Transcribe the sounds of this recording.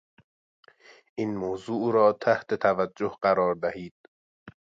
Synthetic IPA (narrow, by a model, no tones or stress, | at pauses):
ʔiːnmoːzuːuːɾɒːt̪ʰæht̪ʰe̞t̪ʰævæd͡ʒːohɢæɾɒːɾd̪æhiːd̪̥